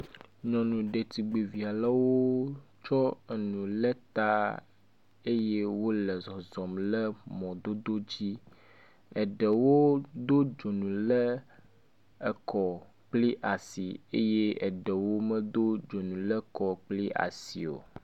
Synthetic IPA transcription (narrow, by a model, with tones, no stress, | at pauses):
ɲɔ̃˨nũ˨ɖe˨t̪i˨ɡ͡be˨vi˨a˨la˦wo˦t͡ʃɔ˦ɛ˨nũ˨lə˦t̪a˦ | e˦je˦wo˦lɛ˨zɔ˨zɔ˨mlə˦mɔ̃˨d̪o˦d̪o˦d͡ʑi˦ | ɛ˨ɖɛ˨wo˦d̪o˦d͡ʒo˨nũ˨lə˦ | ɛ˨kɔ˨ | k͡pli˦ʔa˨si˨e˦je˦ɛ˨ɖə˨wo˦mə̃˦d̪o˦d͡ʒo˨nũ˨lə˦kɔ˨k͡pli˦ʔa̰˨sḭ˨o̰˨